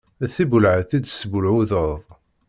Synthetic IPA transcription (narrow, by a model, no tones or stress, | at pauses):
æθibʊlʕəθid̪səbʊlʕuðəðˤ